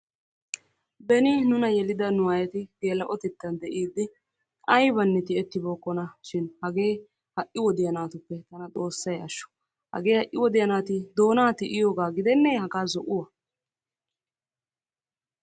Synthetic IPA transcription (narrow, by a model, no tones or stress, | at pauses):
bɛnɪnʊnɐjɛlɪd̪ɐnʊwɐjɐt̪ɪɡ̪eːlɐʔɔt̪ɛt̪ːɐnd̪ɛʔiːd̪ːɪ | ʔɐjbɐnːɛt̪ɪɛt̪ːɪbo̞ːkʼːɔnɐʃɪnhɐɡe̞ː | hɐʔɪwɔd̪ɪjɐnaːt̪ʊpːɛt̪ɐnɐt̪ʼo̞ːsːɐjɐʃːɔ̥ | hɐ̰ɡe̞ːhɐʔːɪwɔd̪ɪjɐnaːt̪ɪd̪o̞ːnaːt̪ɪʔɪjo̞ːɡaːɡɪd̪ɛnːɛhɐɡaːzɔʔʊwɐ